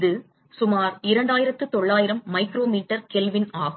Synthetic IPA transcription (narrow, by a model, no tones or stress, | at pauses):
ðɯ | sʊmaːɾɪɾɐɳɖaːjɪɾɐt̪ːɯt̪ɔɭːaːjɪɾɐmːɐɪkɪɾoːmiːʈːɐɾkɛlʋɪnaːɣ